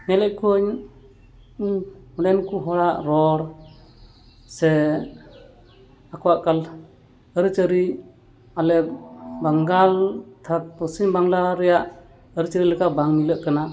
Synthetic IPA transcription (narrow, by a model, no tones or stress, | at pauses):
nɛlɛʔ̚kʰɔɲ | ɔɽɛnkuɦɔɽaʔɾɔɽ | sɛ | akʰɔwaʔkal | əɾɯt͡ʃəɾi | alɛbaŋɡalt̪ʰat̪̚pɔsiɲbaŋlaɾɛjaʔ | əɾit͡ʃəɾiləkabaŋmiləʔkana